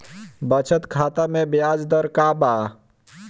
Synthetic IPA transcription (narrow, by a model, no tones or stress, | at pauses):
bət͡ʃʰət̪kʰaːt̪amẽbjaːd͡ʒd̪əɾkaːbaː